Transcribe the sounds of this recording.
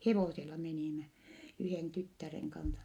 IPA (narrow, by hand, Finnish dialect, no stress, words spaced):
heʋoˑselɑ meniˑmæ yheˑn tytːæreŋ kɑnsɑ